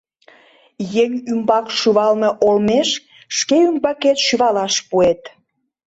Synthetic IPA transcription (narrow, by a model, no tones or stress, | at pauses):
jeŋʲymbɑkʃyβɑlmeʔolmeʃ | ʃkeymbɑket̪ʃyβɑlɑʃpuet̪